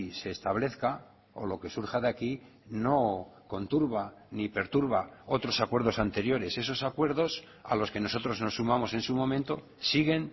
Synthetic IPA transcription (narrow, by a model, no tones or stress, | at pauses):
se̞ːst̪aβle̞θka | o̞̰lo̞ke̞suɾxaðaki | no̞ko̞nt̪uɾβa | nipe̞ɾt̪uɾβao̞t̪ɾo̞sakwe̞ɾðo̞sant̪e̞ɾjo̞ɾe̞se̞so̞sakwe̞ɾðo̞s | a̰lo̞ske̞no̞so̞t̪ɾo̞zno̞sːumamo̞se̞nsumõ̞ment̪o̞ | siɣ̞e̞n